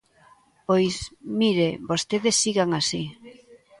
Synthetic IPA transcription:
pojsmiɾebost̪eðesːiɣaŋasi

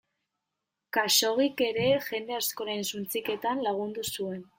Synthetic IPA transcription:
kaso̞ɣike̞ɾe̞ʝe̞nd̪e̞asko̞ɾensunt͡sike̞t̪anlaɣ̞und̪usue̞n

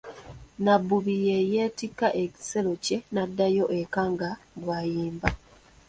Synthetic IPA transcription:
nabːuβijejeːtikːaʔe̞ci̥se̞lo̞ce̞nadːajo̞ʔekaŋɡaɡwaːjiːmba

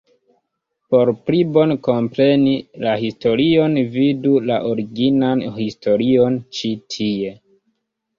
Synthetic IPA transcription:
po̞ɾplibo̞nko̞mpɾe̞nilahisto̞ɾio̞nvidulaʔoɾiɡinanhisto̞ɾio̞nt͡ʃitʰie̞

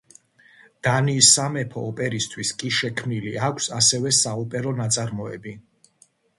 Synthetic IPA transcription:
d̪̥aniːsamɛpʰɔ̰ːpʼɛɾist̪ʰwiskʼiʃɛkʰmniliakʷʰsasɛvɛsaɔpʼɛɾɔnat̪sʼaɾmɔɛbi

